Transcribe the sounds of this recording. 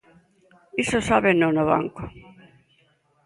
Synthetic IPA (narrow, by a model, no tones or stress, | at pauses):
isosaβenonoβa̰ŋko